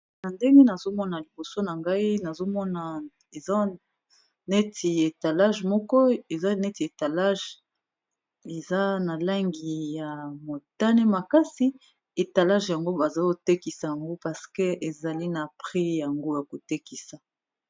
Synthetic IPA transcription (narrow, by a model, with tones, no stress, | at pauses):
na˨nde˦ŋɡe˦na˨zo˦mɔ˦na˨li˨bo˨so˦na˨ŋɡa˦i˦na˨zo˦mɔ˦na˨ | e˨za˦ | ne˦tʰi˨e˨ta˨la˦ʒmɔ˦kɔ˦e˨za˦ne˦ti˨e˨ta˨la˦ʒ | e˨za˦na˨la˦ŋɡi˨ja˨mo˨ta˦ne˦ma˨ka˦si˦ | e˨ta˨la˦ʒja˨ŋɡo˦ba˨za˦o˦te˦ki˨sa˨ja˨ŋɡo˦pa˨ske˦e˨za˨li˦na˨pʁi˦ja˨ŋɡo˦ja˨ko˨te˦ki˨sa˨